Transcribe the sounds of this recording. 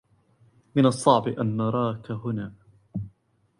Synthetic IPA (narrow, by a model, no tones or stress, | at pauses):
mɪnɑsˤːɑʕbɪʔanːɑɾˤɑːkaɦʊnaː